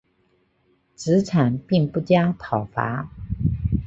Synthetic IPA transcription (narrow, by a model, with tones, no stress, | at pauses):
ʈ͡ʂɻ̩˧˥ʈ͡ʂʰa˨˩npi˥˧ŋpu˥˩t͡ɕja˥t̪ʰɑ˨˩ʊfa̰˧˥